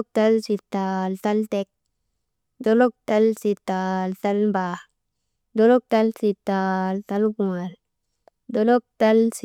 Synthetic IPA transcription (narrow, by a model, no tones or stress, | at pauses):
k̚talsitːaltaltek̚ | dolok̚talsitːaltalba | dolɔk̚talsitːaltalkũŋal | dolok̚tals